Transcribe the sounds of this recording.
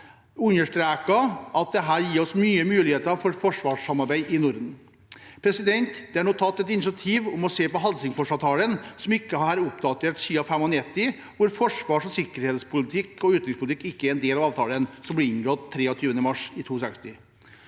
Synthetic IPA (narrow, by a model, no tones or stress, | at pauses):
ʉnəʂʈɾæːkɑɑt̪̚d̪ɛɦæːɾjiːɾɔsmyːəmʉːlɪheːt̪əɾɑʋfɔɾfɔʂʋɑːʂɑmɑɾbæɪʔɪnʊɾd̪n̩ | pʰɾɛsɪd̪ɛnt̪d̪̥ɛæɳuːt̪ʰɑt̪ːɛt̪ɪnɪs̬ɑt̪ʰiːʋɔmɔseːpɔɦɑlsɪŋfɔʂɑːʋt̪ʰɑːlənsɔmɪkːəɑhɑɾʊpd̪ɑt̪ʰeːʈsyːʋɑfɛmɔnɛt̪ːɪ | ʋʊɾfɔʂʋɑːʂɔsɪkəɾheːt̪spʰʊlɪt̪ʰɪkːɔʉːt̪ɾɪŋspʊlɪt̪ʰɪkːɪkːəæɾɛnd̪eːlɑʋɑːʋt̪ʰɑːlənsɔmblɪɪnɡɾɔt̪ʰːɾeːɔt̪ʰyːʋənəmɑʂɪt̪ʰuːsɛkst̪ɪ